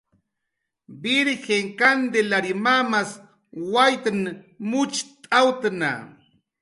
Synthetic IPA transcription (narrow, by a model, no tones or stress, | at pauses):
bɪɾxeŋkand̪elaɾimamas | wajt̪an | mʊt͡ʃt̪ʼawt̪ana̰